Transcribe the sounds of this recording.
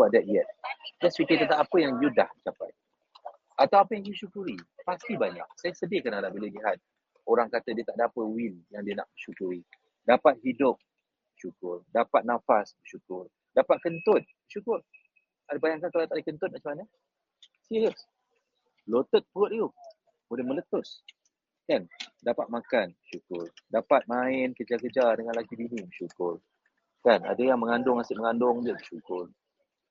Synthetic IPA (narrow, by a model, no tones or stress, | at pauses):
aʔ̚dɛt̪̚jɛt̪̚dɛspikɪt̪ənt̪aŋapəjaŋjudaht͡ʃapa̰j | ʔat̪awapəjaŋdiəʃukuɾipast̪ibaɲa̰k̚sajasədɪhkanadabiləliɦat̪̚ | oɾaŋkat̪ədiət̪aʔ̚dapəwinjaŋdiəna̰ʔbəʃukuɾi | dapat̪̚hidʊk̚ | bəʃukʊrdapat̪̚nãfasbəʃukʊr | dapat̪̚kənt̪ʊt̪̚bəʃukʊr | adəbajaŋkankalat̪adəkənt̪ʊn̚maʔt͡ʃəmana | siɾiəs | lot̪ət̪̚puʊt̪̚u | bolɛhmə̃lət̪ʊs | kandapat̪̚makanbəʃukʊrdapat̪̚maɪnkəd͡ʒakəd͡ʒadəŋanlakidinibəʃukʊr | kana̰dajaŋməŋandʊŋasɪʔ̚məŋandʊŋbəbəʃukʊr